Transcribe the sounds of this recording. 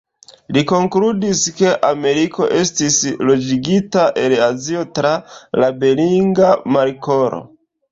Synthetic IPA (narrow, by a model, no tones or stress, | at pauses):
liko̞ŋkludiske̞ʔame̞ɾiko̞ʔe̞stislo̞d͡ʒiɡitaʔe̞lazio̞tɾalabe̞liŋɡamaɾkoɾo̰